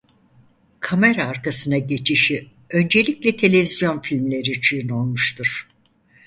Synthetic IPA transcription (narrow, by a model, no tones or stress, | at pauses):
kʰameɾaːɾk̪ʰasɯnaɟe̞t͡ʃʰiʃi | ø̞nd͡ʒe̞lʲiclʲɛt̪ʰe̞lʲe̞vizjo̞nfilʲmlʲe̞ɾit͡ʃʰɯjɯno̞lˠmuʃt̪ʰuɾ̥